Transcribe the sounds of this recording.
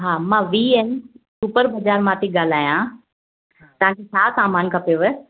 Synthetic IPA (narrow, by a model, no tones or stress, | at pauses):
ɦaːmãʋiːensupəɾbɐd͡ʑaːɾmãt̪ʰiɠaːl̤aːjã | t̪ɐʋãːket͡ɕʰaːsaːmaːnkʰɐpoʋe